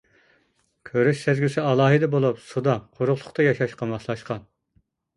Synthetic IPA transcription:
kʲʰøɾyʃsæzɡʲysɪɑlˠɑːɦɨd̪ɛbolˠupsud̪ɑqʰoɾʊχlˠʊqt̪ɑjɑʃɑʃqɑmmɑʃlˠɑʃqɑn

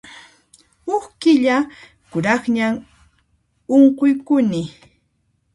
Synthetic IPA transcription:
oχkɪʎa | kʊɾɑχɲam | oɴqojkʊnɪ

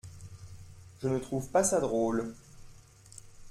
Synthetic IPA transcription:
ʒənət̪χuvpasad̪ʁoːl

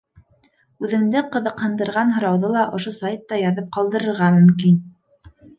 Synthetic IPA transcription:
ʉðɘ̆ŋd̪ɘqɤ̆ðɤ̆qhɤ̆nd̪ɤ̆ɾʁɑnɦŏɾɑwðolˠɑʔŏʃosajt̪ːɑjɑðɤp̚qɑlˠd̪ɤ̆ɾɤ̆ɾʁɑmɵ̆mkin

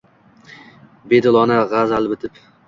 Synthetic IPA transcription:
be̞d̪ɪlˠɒnaʁazalˠbɪt̪ʰɪp

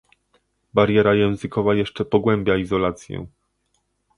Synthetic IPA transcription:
baɾjɛɾajɛ̃w̃zɘkɔvajɛʂt͡ʂɛpɔɡwɛmbʲjaizɔlat̪sʲjɛ̰

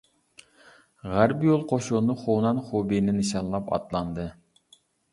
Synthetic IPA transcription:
ʁæɾpjolˠqʰoʃunɨχonɑnχobinɪnɨʃɑnlˠɑpɑ̰t̪lˠɑnd̪ɨ

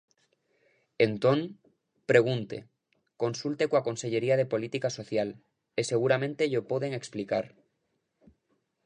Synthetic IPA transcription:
ent̪oŋ | pɾe̞ɣ̞unt̪ḛ | ko̞nsult̪ekwako̞nse̞ʝe̞ɾiað̞e̞po̞lit̪ikaso̞θjal | ese̞ɣ̞uɾamẽnt̪e̞ʎopoðeŋeksplikaɾ

